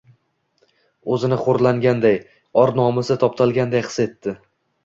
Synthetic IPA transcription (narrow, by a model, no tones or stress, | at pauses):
ɵzɪnɪχoɾlaŋɡʲand̪aj | ɒɾnɒmɪsɪt̪ʰɒp̚t̪ʰalˠɡʲand̪ajqʰɨ̥se̞t̪ːɪ